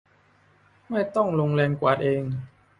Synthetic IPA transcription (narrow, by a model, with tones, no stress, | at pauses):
ma˥˩jt̪ɔ˥˩ŋlo˧ŋlɛː˧ŋkwa̰ː˨˩t̪̚ʔeː˧ŋ